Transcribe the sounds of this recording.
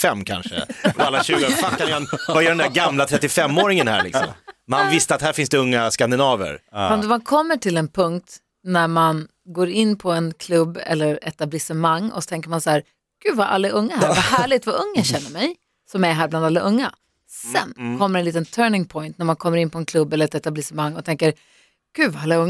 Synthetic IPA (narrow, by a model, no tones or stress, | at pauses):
fɛmːkʰa̰nʂə̰ɔalːaɕʉ̟ːɡəfakːananvajœɖɛnd̪æɾɡamlat̪ʰɾɛt̪ːɪfɛmːoːɾɪŋənhæ̰lɪ̰ksɔ̰mmanvɪst̪əat̪hæːɾfɪnsd̪ɛɵŋːaskand̪ɪnɑːvə̰ɾfad̪ɔmankʰɔmːəʈʰɪlɛnpʰɵŋk̚t̪ | næɾman | ɡoːɾɪnːpʰɔɛnkʰlɵbːɛ̰lːəɾɛt̪ablɪsəmaŋːɔ̰sɔ̥t̪ʰɛŋkəɾmansahæːɾ | ɡ̥ʉ̟ːvaʔa̰lːaʔɵŋːahɾvaɦæːɭɪɡ̚t̪vaʔɵŋːaɕɛnːəɾmɛj | sɔmæɦæːɾbland̪alːaʔɵŋːa | sɛ̰nkʰɔmːəɾɛnliːt̪ənt̪ʰœːɳɪŋpʰɔjnt̪næɾmankʰɔmːəɾɪnːpʰɔɛnkʰlɵbːɛləɾɛt̪ɛt̪ablɪsɛmaŋːɔt̪ʰɛŋkəɾ | ɡ̥ʉ̟ːvaalːaɵŋː